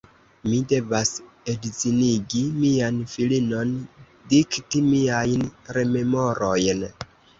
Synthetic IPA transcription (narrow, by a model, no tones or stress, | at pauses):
mide̞vas | edziniɡimianfilino̞n | diktimiajnɾe̞me̞mo̞ɾojn